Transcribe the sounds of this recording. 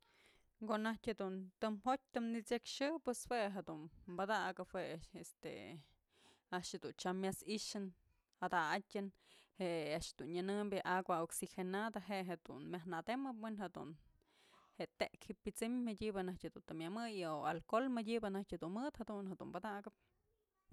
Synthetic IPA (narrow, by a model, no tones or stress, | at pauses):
konahtʲhed̪unt̪ɨmɦot̚ʲt̪ɨmnit͡sekʃɨpweshweɦed̪unbad̪aʔɡahweest̪ḛ | aʔʃhed̪unt͡ʃamːasiʃɨn | had̪aatʲɨnheʔaʔʃhd̪unɲanɨmbjeʔaɡwaoksixenad̪aɦeʔɦed̪̥ṵnmʲjahnad̪emɨpwenɦed̪ṵn | heʔt̪eʔkhipːit͡simmadʲibɨnahtʲhed̪unt̪ɨmjamɨjoalkolmɨdʲibɨnahtʲhed̪unmɨt̪had̪unhad̪ṵmbad̪aɡɨp̚